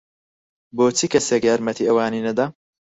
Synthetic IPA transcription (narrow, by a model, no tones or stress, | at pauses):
boːt͡sʰikɐseːkjaːɾmɐt̪ʰiːʔɐwaːniːnɐd̪a